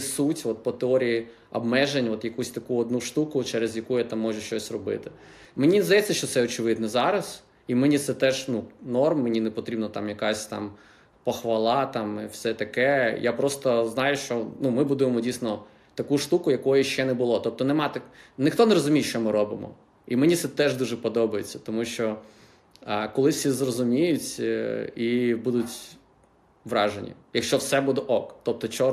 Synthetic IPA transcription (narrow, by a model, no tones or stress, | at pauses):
sutʲʋɔt̪̚pɔt̪eɔɾʲiji | ɐ̰bmɛʒenʲɔt̪jɐkusʲt̪ɐkuɔd̪nuʃt̪ukʊt͡ʃɛɾezjɐkujat̪amːɔʒʊʃt͡ʃɔsʲrɔbɪ̰t̪ɪ | menʲinzd̪ɐjɛt͡sʲːɐʃt͡ʃɔt̪sɛɔt͡ʃɪʋɪd̪nɛzɑɾɐs | imenʲit̪sɛt̪ɛʒnunɔrmːenʲinepɔt̪ɾʲibnɐt̪amjɐkasʲt̪ɑ̰m | pɔxʋɐlˠɑt̪ɑmɪ̰fsɛt̪ɐkɛjapɾɔst̪ɔznɑjʊʃt͡ʃɔnumɪbud̪ʊjemɔdʲijsnɔ | t̪ɐkuʃt̪ukʊjɐkɔjʊʃt͡ʃɛnɛbʊlˠɔt̪ɔp̚t̪ɔnɛmɑt̪ɐnɪxt̪ɔnɛɾɔzʊmʲijʃt͡ʃɔmɪɾɔbɪmɔ̰ | imenʲit̪sɛt̪ɛʒd̪uʒɛpɔd̪ɔbɐjet͡sʲːɐ̥t̪ɔmuʃt͡ʃɔ | kɔlˠɪsʲizrɔzʊmʲijʊtʲ | ibud̪ʊtʲ | ʋɾɑʒḛnʲːḭjɐkʃt͡ʃɔwsɛbud̪ɛʔɔkt̪ɔp̚t̪ɔt͡ʃɔ